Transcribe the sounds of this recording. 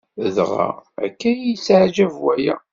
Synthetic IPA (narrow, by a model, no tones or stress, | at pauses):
əðʁa̰æ̰kːæjit͡sːʕd͡ʒævwæjæ̰